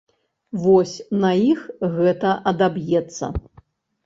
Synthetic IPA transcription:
vɔsʲnɐixɣɛt̪ɐʔɐd̪abjɛt̪sːɐ̰

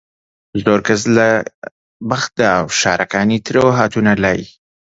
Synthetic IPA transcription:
zoːɾkazla | baxt̪̚d̪aːwʃɑːɾʔakɑnit̪ɾewɦɑːt̪unalaji

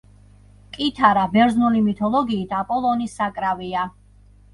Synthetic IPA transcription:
kʼit̪ʰaɾabɛɾznulimit̪ʰɔlˠɔɡiːt̪ʰapʼɔlˠɔnisːakʼɾavia

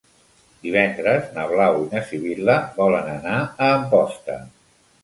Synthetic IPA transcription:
d̪̥iβ̞ɛnd̪ɾəznəβlawinəsiβiləbɔlənənaəːmpɔst̪ə̰

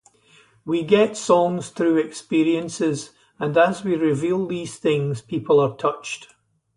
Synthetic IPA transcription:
wiɡɛtsɔ̃ŋz̥θɹʉːɛkspiɹiə̃nsɪz | ə̃nəzwiɹɪvilˠðiz̥θɪ̃ŋz̥pʰipʰəlˠə˞tʰʌt͡ʃt

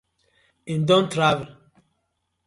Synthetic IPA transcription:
ĩndɔ̃ntɾavɛl

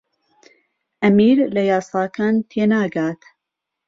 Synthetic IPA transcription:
ʔɐmiːɾlɐjɑːsˤɑːkʰaːnt̪ʰeːnaːɡaːt̪

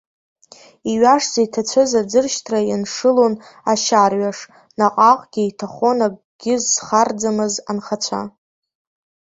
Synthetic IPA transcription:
iɥaʂz̥aitʰat͡ɕʷʰazad͡zɨrʃtʰrajanʂɨlonaʃarɥaʂ | naqʼaqʼɡ̥ʲiitʰaχonaɡʼ | ɡ̥ʲɪzχard͡zamɨza̰nχat͡ɕʷʰa̰

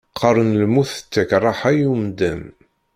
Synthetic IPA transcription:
qʰəɾˤənlmuθə̥t͡sːækrˤːɑħæjumd̪ən

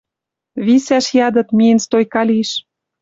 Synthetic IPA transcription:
βisæʃjɑd̪ɤ̆t̪mienst̪ojkɑlʲiʃ

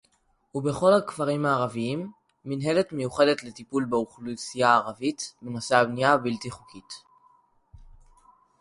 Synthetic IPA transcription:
ube̞χo̞lakvaʁimaːʁaviimː | inɦe̞le̞tme̞juχe̞detle̞tipulbeuχlusijaːʁavitmenasabnijabiltiχukʰit

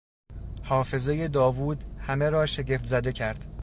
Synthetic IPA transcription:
hɒːfe̞ze̞je̞d̪ɒːvuːd̪hæme̞ɾɒːʃe̞ɟe̞ft̪zæd̪e̞cʰæɾd̪̥

